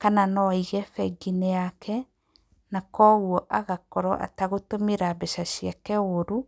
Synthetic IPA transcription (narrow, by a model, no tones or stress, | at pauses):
kananɔiɣɛfɛɡineakʰɛ | nakɔɣuɔʔaɣakɔɾɔʔa̰taɣotomeɾabɛʃaʃiakɛoɾu